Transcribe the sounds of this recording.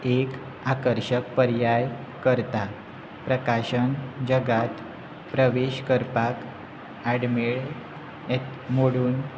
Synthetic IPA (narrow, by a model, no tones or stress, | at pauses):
ek | akəɾɕək̚pəɾjaj | kəɾt̪a | pɾəkaɕənd͡ʑəɡat̪ | pɾəʋeɕkəɾpak | aɽmeɭ | ɛt̪ | moɽuːn